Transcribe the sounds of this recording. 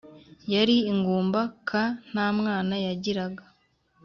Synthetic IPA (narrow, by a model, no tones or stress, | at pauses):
jaɾiiŋɡuːmbakʰan̥aːmŋaːnajaɟiɾaɡa